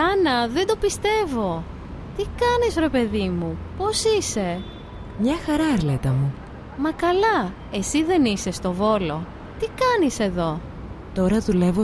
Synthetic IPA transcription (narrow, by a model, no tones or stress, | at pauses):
ɐnɐðe̞nd̪o̞pist̪e̞vo̞ | t̪ikɐnisɾe̞pe̞ðimupo̞sise̞ | mɲɐxɐɾɐɐɾle̞t̪ɐmu | mɐkɐlɐ | e̞siðe̞nise̞st̪o̞vo̞lo̞ | t̪ikɐnise̞ðo̞ | t̪o̞ɾɐðule̞vo